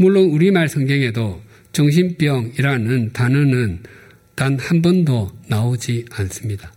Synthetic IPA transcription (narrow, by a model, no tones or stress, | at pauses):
muɭːonuɾimaɭsʰʌŋɡʌŋe̞do | t͡ɕʌŋɕ̬ʰimp͈jʌŋiɾanɯntanɯnɯn | tanhambʌndonaod͡ʑians͈ɯmɲida